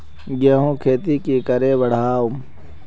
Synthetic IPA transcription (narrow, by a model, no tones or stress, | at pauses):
ɡeɦũːkʰeːt̪ikikɐɾebɐɽ̤aːʊm